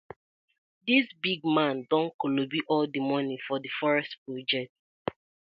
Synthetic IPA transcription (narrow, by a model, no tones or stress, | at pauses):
disbiɡmãndɔ̃nkolobiʔɔldimɔnĩfɔdifɔɹɛstpɹod͡ʒɛt